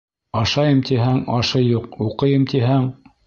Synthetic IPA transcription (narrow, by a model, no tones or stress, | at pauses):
ɑʃɑjɤmt̪iɦæŋɑʃɤjuquqɤ̆jɤmt̪iɦæŋ